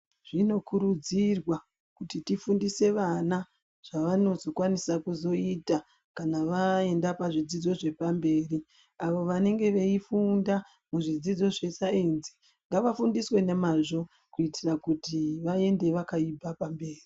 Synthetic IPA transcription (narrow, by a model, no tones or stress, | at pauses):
ʐ̥ino̞kʰuɾud͡zirwa | kutitifundise̞ʋana | ʐ̥aʋano̞zokwanisakuzo̞ita | kanaʋae̞ndapaʐid͡zid͡zo̞ʐe̞pambe̞ːri | aʋo̞ʋane̞ŋɡe̞ʋe̞ifunda | muʐid͡zid͡zo̞ʐe̞saenzi̥ | ŋɡaʋafundiswe̞nemaʐo̞ | kuitirakutiʋae̞nde̞ʋakaibʱapambe̞ːri